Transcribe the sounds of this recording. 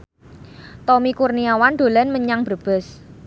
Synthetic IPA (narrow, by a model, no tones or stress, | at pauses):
t̪ɔmikurniawanɖ̪̥o̤lɛnməɲaŋb̥ərb̥ɛ̤s